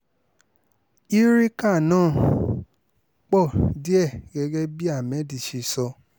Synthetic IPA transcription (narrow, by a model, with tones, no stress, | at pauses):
i˦ɾi˦ka˦˨nãː˦˨ | k͡pɔ˦˨di˦ɛ˦˨ɡɛ˧ɡɛ˦bi˦a˦˨mɛ̃˨˦di˨ʃi˧sɔ˧